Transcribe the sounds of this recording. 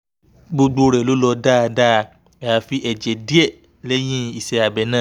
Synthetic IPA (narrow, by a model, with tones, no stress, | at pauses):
ɡ͡bo˧ɡ͡bo˧ɾɛ˨lo˨˦lɔ˧da˦˧da˦˧ | ɛ˧a˧fi˨˦ʔɛ˨d͡ʒɛ˨di˦ɛ˦˨ | lɛ˦j̃ĩ˦i˨sɛ˧a˨bɛ˨˦nã˦˨